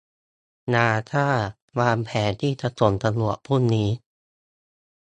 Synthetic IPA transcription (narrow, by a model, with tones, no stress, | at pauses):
naː˧t̪ʰaː˥˩ | waː˧npʰɛː˩˦nt̪ʰiː˥˩t͡ɕa˧˦to˩˦nt̪a˧lu˨˩ət̚pʰu˥˩nːiː˦˥